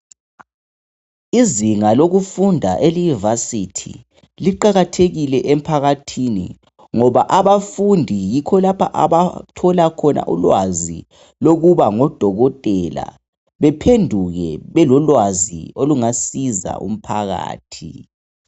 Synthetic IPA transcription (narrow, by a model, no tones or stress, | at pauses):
iziŋaloɣufundʱaʔelunivasitʰḭ | liǃaɣatʰeɣilɛʔem̩pʰaɣatʰinḭ | ŋɔβaʔaβafundʱijikʰɔlapʰaʔa̰βatʰɔlakʰɔnʔa̰ʔulwazi | loɣuβaŋɔd̥ʱɔɣɔtʼɛla̰ | βɛpʰendʱuɣɛ̰βɛlɔlwazḭoluŋasiza̰ṵm̩pʰaɣa̰ːtʰi